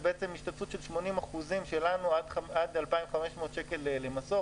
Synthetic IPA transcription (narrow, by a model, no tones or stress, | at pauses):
beet͡se̞miʃtat̪fut̪ʃelʃmo̞nimaχuzimʃelanuadadalpaimχameʃmo̞ːt̪ʃekelelemaso̞